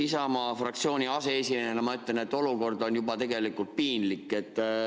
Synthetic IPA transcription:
isɑmɑːfrɑkt̪sio̞ːnʲiɑse̞esiminenɑmɑyt̪ˑlene̞t̪ːˑo̞luko̞rd̪o̞njubɑt̪e̞ɡe̞likːˑult̪̚piːnlikːˑe̞t̪ː

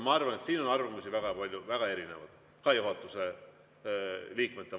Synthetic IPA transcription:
mɑɑrvɑne̞t̪siːno̞nɑrvɑmusivæɡ̥ɑpɑlʲjuvæɡ̥ɑe̞ɾine̞̰vɑd̪̥ | kɑjuɦɑt̪ːˑuse̞ | liːkmet̪ːˑe

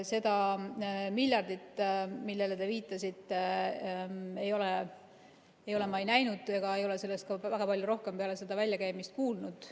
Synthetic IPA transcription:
se̞d̪̥ɑ | milʲjɑrd̪̥it̪ːmilːe̞let̪e̞viːt̪ːˑɑsit̪ˑːe | e̞jo̞le | ejo̞le̞mɑjnæjnud̪̥eɡ̥ɑe̞jo̞le̞se̞lːest̪̚kɑvæɡ̥ɑpɑljuɾo̞hke̞mpe̞ɑle̞se̞d̪̥ɑvælʲjɑkæjmist̪̚kuːlnud̪̥

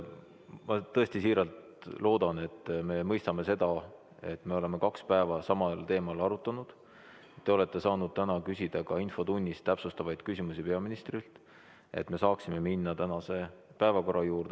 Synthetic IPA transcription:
mɑt̪ɤ̞esʲt̪isiːɾɑlt̪ | lo̞ːd̪̥ɑne̞t̪ːme̞mɤjst̪ɑme̞se̞d̪ɑ | e̞̰t̪ːˑme̞o̞le̞me̞kɑkspæevɑsɑmɑlt̪e̞ːmɑlɑɾut̪ːˑɑnud̪̥ | et̪ːe̞o̞le̞t̪ːˑe̞sɑːnud̪̥̚t̪ænɑkysʲid̪̥ɑkɑinfo̞t̪unʲːist̪ːæpsust̪ɑvɑjd̪̥kysʲimusipe̞ɑminist̪rilt̪ˑ | e̞̰t̪ːme̞sɑːksime̞minːɑt̪ænɑse̞pæevɑko̞rɑjuːɾd̪e

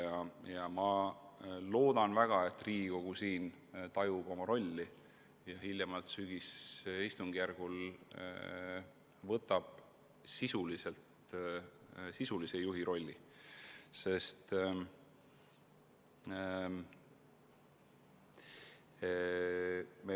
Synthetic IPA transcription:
jɑjɑmɑ | lo̞ːd̪̥ɑnvæɡ̥ɑe̞t̪ːriːɡ̥iko̞ɡ̥usiːn | t̪ɑjubo̞mɑɾo̞lʲːi | jɑhilʲjɑmɑlt̪syɡ̥isist̪uŋɡ̥ijærɡ̥ul̰ | vɤt̪ːˑɑb̥̚ | sisulise̞lt̪ | sisulisejuɦiɾo̞lʲːi | se̞st̪ | me

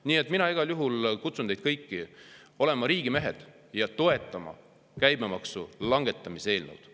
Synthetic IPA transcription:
niːe̞t̪ːˑminɑiɡ̥ɑljuɦulkut̪sund̪ejd̥̪̚kɤjkːio̞le̞mɑɾiːɡ̥ime̞ɦe̞̰d̪̥ | jɑt̪o̞e̞t̪ˑːɑmɑ̰ | kæjmemɑksulɑŋɡ̥e̞t̪ːˑɑmisee̞ːlno̰wd̪̥

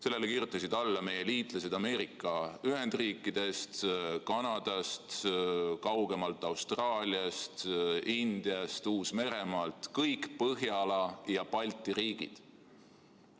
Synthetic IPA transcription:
se̞lːelekiːɾjut̪ːˑɑsid̪̥ɑlːɑme̞je̞liːt̪ˑlɑse̞d̪ɑme̞ːɾikˑːɑyɦe̞nd̪̥riːkˑːid̪̥e̞st̪kɑnɑd̪̥ɑst̪kɑwɡ̥e̞mɑlt̪ːˑɑwst̪rɑːlʲiɑst̪ind̪̥iɑst̪uːsme̞ɾe̞mɑlt̪ˑkɤjkpɤɦjɑlɑjɑpɑlʲt̪ːˑiɾiːɡ̥ḭd̪̥

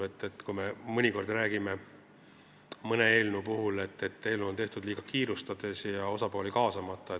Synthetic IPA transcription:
et̪ːe̞t̪ːkujme̞mɤnʲiko̞rd̪ræːɡime̞ | mɤne̞e̞ːlnupuɦule̞t̪ːe̞t̪ːe̞ːlnuont̪e̞ht̪ud̪liːɡ̥ɑkiːɾust̪ɑd̪̥e̞sjɑo̞sɑpo̞ːlikɑːsɑmɑt̪ˑːɑe

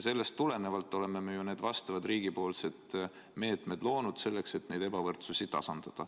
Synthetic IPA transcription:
se̞lːe̞st̪ːule̞ne̞vɑlt̪ːˑo̞le̞memejune̞ːd̪vɑst̪ɑvɑd̪riːɡ̥ipo̞ːlse̞d̪̥ | me̞ːt̪me̞d̪̥lo̞ːnud̪̥se̞lːe̞kse̞t̪ne̞jd̪e̞bɑvɤrt̪susit̪ːɑ̰sɑnd̪̥ɑd̪̥ɑ

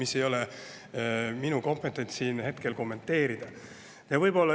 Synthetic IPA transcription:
mise̞jo̞le | minuko̞mpˑet̪ːˑent̪siːnhe̞t̪ke̞lko̞mːe̞nt̪ːe̞ːɾid̪̥ɑ | jɑvɤjb̥o̞lːɑ

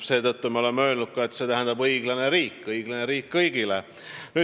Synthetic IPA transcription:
se̞ːd̪ɤt̪ːumeo̞lemːeøːlnud̪̚kɑe̞t̪se̞ːt̪æɦænd̪̥ɑbɤjɡ̥lɑne̞ɾiːkːˑɤjɡ̥lɑneɾiːkːɤjɡ̥ile | nyː

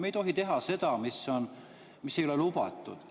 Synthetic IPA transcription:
mejt̪o̞ɦit̪e̞ɦɑse̞d̪̥ɑmisːo̞n | misːejolelub̥ɑ̰t̪ːˑṵd̪̥

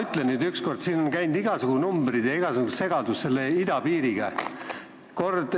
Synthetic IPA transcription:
yt̪ˑlenːyːd̪yksko̞rd̪̥siːno̞nkæjnd̪̥iɡ̥ɑsuɡ̥unumbɾid̪̥jɑiɡ̥ɑsukusse̞ɡ̥ɑd̪usse̞lːeid̪̥ɑpiːɾiɡ̥ɑ | ko̞rd̪̥

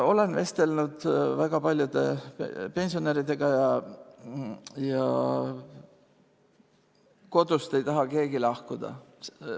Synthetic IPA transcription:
o̞lenve̞st̪e̞lnud̪̥væɡ̥ɑpɑlʲjud̪epe̞nʲsio̞neɾid̪e̞ɡ̥ɑjɑ | jɑ | ko̞d̪̥ust̪e̞jt̪ɑɦɑke̞ːɡilɑhkud̪̥ɑ̰

